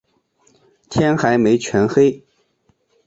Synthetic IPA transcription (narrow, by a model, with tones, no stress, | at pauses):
t̪ʰjɛ˥nxa˧˥ɪme˧˥ɪt͡ɕʰɥɛ˧˥nxe˥ɪ